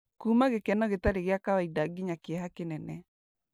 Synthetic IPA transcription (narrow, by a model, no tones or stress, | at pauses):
kumaɣekɛnɔɣetaɾeɣɪakawaidaɡɪɲakɪɛɦakɪnɛnɛ